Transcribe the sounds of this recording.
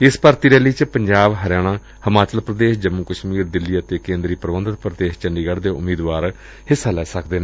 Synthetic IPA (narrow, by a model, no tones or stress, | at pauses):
ɪspəɾt̪iːɾɛːliːt͡ʃpəɲd͡ʒaːbɦəɾjaːɽ̃ãː | həmaːt͡ʃəlpɾəd̪eːʃd͡ʒəmuːkəʃmiːɾd̪ɪlːiːət̪eːkẽːnd̪ɾiːpɾəʋənd̪ət̪̚pɾəd̪eːʃt͡ʃəɳɖiːɡəɽd̪eːʊ̰miːd̪ʋaːɾ | hɪsːaːlɛːsəkd̪eːneː